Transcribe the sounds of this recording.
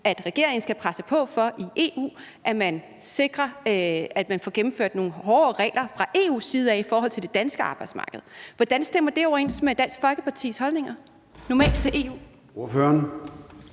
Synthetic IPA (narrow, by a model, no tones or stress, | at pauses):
æd̥ʁɛɡ̥e̝̰ɐ̰e̝ŋn̩sɡ̥æpʰʁasəpʰɒ̽fɒ̽ʔiʔe̝̰ṵː | ʔæmæn | se̝ɡ̥ʁɐæd̥mænfɒ̰ːɡ̥em̩føɐ̰d̥no̝ːn̩ɦɒːʁɛ̰ːlʔɐfʁɑ̈ʔe̝ːṵːsːiːð̞ˠæifɒːɦɒ̽l̰t͡sʰe̝ld̥e̝d̥ænsɡ̥əɑ̈ːb̥ɑ̈ɪd̥smɑ̈ːɡ̥əð̩ˠʋɒd̥ænsd̥em̰ɐd̥e̝ɒʊɐe̝̰nsmed̥æn̰sɡ̥fɒ̽lɡ̥əpʰɑ̈t͡sʰḭːshɒ̽lne̝ŋɐ | nɒmɛ̰ːld̥̚t͡sʰe̝ʔe̝ṵː | o̝føɐn